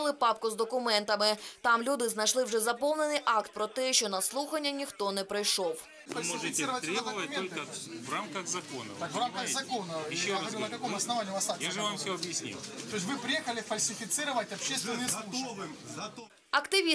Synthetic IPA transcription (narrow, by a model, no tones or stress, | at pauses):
lˠɪpɑpkʊzd̪ɔkʊmɛnt̪ɐmɪt̪ɑmlʲud̪ɪznɐjʃlˠɪwʐɛzɐpɔlˠnenɨjʔɑkt̪̚pɾɔt̪ɛʃt͡ʃɔnɐslˠuxɐnʲːɐnʲixt̪ɔnɛpɾɪjʃɔw | lmmoʐɨtʲɪɾət̪ɾʲɛbvɐt̚ʲmʲt̪olʲkəvramkɐɣzɐkonɐ̰t̪akvɾamkɐɣzɐkonɐɪʃːoɐɾʲinɐkɐkomɐsnɐvanʲiuvasajaʐɨvamfsʲoɐbjɪsʲnʲḭjt̪ojɪs̬ʲvɨpɾʲɪjexəlʲɪfɐlʲsʲɪfʲɪt̪sɨɾəʋətʲɐpɕːest̪vʲɪnɨjsˠu | ɐkt̪ɪʋʲi